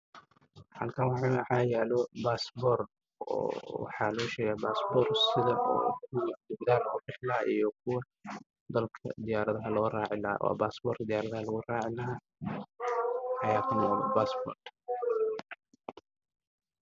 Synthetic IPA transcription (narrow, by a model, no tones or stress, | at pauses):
hɐ̰lkʰaːnwɑħɑħɑːjɛlɔbaːsbɔːrd̪ | ɔ̰ːw̰ħɑːlɔʃɛːjaːbaːsbɔːrsɪðɐʔɔ̰ːkʰʊwɐd̪ʊbd̪aːlʊbɪħlɐːʔijɞkʰʊwɐ | d̪ɐlkʰɐ̰d̪ɪjaːɾɐðɐɦɐlɔːraːʕɪlɐwʔa̰ːbaːsbɔːrʰd̪ɪjaːɾɐðɐɦɐlɐɣʊraːʕɪlɐɐ | ʔɐjaːkʰɐnɔqðɐ̰baːsbɔ̰ːrd̪